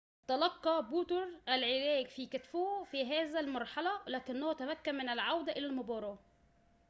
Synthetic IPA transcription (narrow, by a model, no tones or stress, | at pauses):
t̪ɑlɑqːɑbuːt̪oɾʔælʕelæːɡfiːkæt̪foːfiɦæːzælmɑɾˤħɑlɑlæːkɪnːoht̪æmækːæmmːɪnælʕawd̪æʔelælmobɑːɾˤɑː